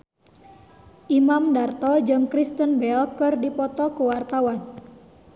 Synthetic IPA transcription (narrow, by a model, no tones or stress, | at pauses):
ʔimamdart̪ɔd͡ʒɨŋkɾist̪ənbɛlkɨrdipɔt̪ɔkuwart̪awan